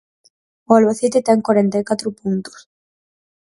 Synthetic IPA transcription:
ualβaθit̪it̪eŋkwaɾent̪ajkat̪ɾʊpunt̪u̥s

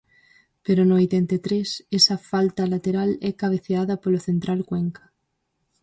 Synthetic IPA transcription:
peɾonoojt̪ent̪et̪ɾesesafalt̪alat̪eɾalɛkaβ̞eθeaðapoloθent̪ɾalkweŋkḁ

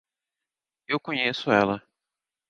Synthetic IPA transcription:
ewkõɲesʊɛlɐ

